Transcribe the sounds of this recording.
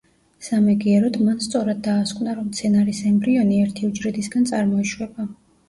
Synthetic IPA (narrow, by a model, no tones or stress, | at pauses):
samɛɡiɛɾɔd̪manst̪sʼɔɾad̪̚ːaːskʼvnaɾɔmt̪sʰɛnaɾisɛmbɾiɔniɛɾt̪ʰiud͡ʒɾɛd̪isɡant̪sʼaɾmɔiʃwɛba